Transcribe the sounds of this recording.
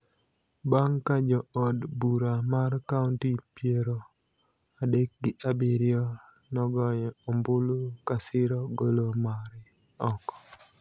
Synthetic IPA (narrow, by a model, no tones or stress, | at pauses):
baŋkad͡ʒɔɔdbuɾamarkauntipjeɾo | adek̚ɡɪʔabiɾjɔ | nɔɡɔɲɔɔmbulukasɪɾɔɡolomaɾɪ | ɔkɔ̥